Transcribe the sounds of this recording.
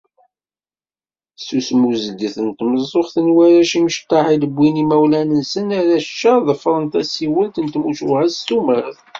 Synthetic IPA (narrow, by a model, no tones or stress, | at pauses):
susmuzəɡ̪əθənt̪məzˤoχθənwæɾæʃiməʃt̪ːɑʕiləbʷːinimæwlænənsənæɾæʃt͡ʃːəɾðˤfɾˤənt̪æsiwəlt̪ənt̪muʃuhæst̪uməɾəθ